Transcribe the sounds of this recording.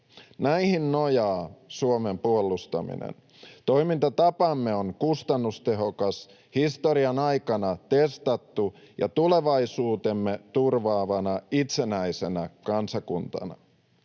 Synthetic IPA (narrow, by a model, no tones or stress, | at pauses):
næihinnojɑːsuomempuolːˑust̪ɑ̰mḭnḛn | t̪o̞jmint̪ɑt̪ɑpɑmːe̞oŋkust̪ɑnːust̪e̞ɦokɑs | hist̪oɾiɑnɑjkɑnɑt̪e̞st̪ɑt̪ːu | jɑ̰t̪ule̞ʋɑjsuːt̪e̞mːe̞t̪urʋɑːʋɑnɑit̪se̞næise̞nækɑnsɑkunt̪ɑ̰nɑ̰